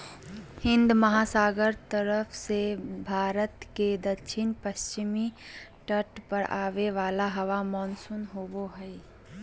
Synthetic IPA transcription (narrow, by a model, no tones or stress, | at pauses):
hɪ̃nd̪mɐɦaːsaːɡəɾt̪əɾəpʰsebʱaːɾət̪ked̪əkʃʰɪnpəst͡ʃɪmi | ʈəʈpəɾʔaːʋeʋaːlaɦɐʋamɔːnsunɦoboɦəi